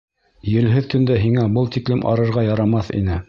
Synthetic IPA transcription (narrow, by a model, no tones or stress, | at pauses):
jɘ̆lɦɘðk̪ɵ̆nd̪æɦiŋæbɤlˠt̪iklɘmʔɑ̰ɾɤ̆ɾʁɑjɑɾɑmɑθḭnɘ